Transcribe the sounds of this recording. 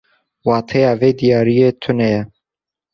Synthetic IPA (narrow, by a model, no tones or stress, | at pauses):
wɑːt̪ʰɛjɑːveːd̪ijɑːɾijeːt̪ʰʊnɛjɛ